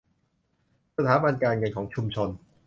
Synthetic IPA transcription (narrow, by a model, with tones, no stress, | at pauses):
sa˧t̪ʰaː˩˦ba˧nkaː˧nŋɤ˧nkʰɔː˩˦ŋt͡ɕʰu˧mt͡ɕʰo˧n